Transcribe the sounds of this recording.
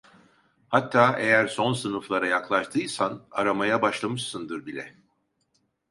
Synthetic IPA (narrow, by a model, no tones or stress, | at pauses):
hat̪ʰːaːʔe̞jæɾso̞nsɯnɯflˠaɾajaklˠaʃt̪ʰɯjsana̰ɾamajabaʃlˠamɯʃsɯnd̪ɯɾbilʲɛ̰